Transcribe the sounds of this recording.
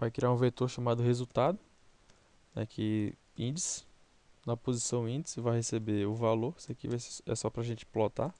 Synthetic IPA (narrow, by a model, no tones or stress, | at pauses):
vajkɾiaɾũvet̪oɾʃɐmad̪ʊhezut̪ad̪ʊ | nɛ̰kʰɪ | ĩd͡ʒɪsɪ̥ | nɐpozisɐ̃w̃ĩd͡ʒɪsɪvajhesebeʊvaloɾsakivajseɛ̰sɔpɾɐʒẽnt͡ʃɪ̥plot̪a